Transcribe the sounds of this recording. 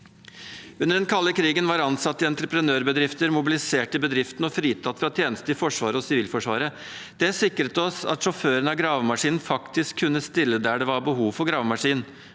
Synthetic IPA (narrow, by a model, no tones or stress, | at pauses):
ʉnːəɖɛnkʰɑlːəkʰɾiːɡənʋɑɾɑnsɑt̪ːɪɛnt̪ɾəpɾənøːɾbəd̪ɾɪft̪əɾmʊbɪlɪseːʈəɪbəd̪ɾɪft̪nɔfɾiːt̪ʰɑt̪ːfɾɑt̪ʰjeːnəst̪əɪfɔʂʋɑːɾəɔsɪʋiːlfɔʂʋɑ̰ːɾə | d̪̥ɛsɪkɾət̪əɔsɑ̰t̪ʂɔføːɾənɑɡɾɑːʋmɑʂiːnn̩fɑkt̪ɪskʰːʉnːəst̪ɪlːəd̪æɖɛʋɑɾbəɦuːʋfɔɡɾɑːʋmɑʂiːnn̩